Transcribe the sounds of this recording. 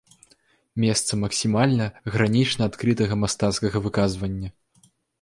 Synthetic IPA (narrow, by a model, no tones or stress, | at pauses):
mʲɛst̪sɐmɐksʲimalʲnɐɣɾanʲit͡ʂnɐat̪kɾɨt̪ɐɣɐmast̪at̪skɐɣɐvɨkazvɐnʲːɐ